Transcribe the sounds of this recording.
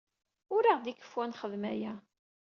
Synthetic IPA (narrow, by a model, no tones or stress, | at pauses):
ʊɾiʁd̪ikːə̥fwænχəðmæjæ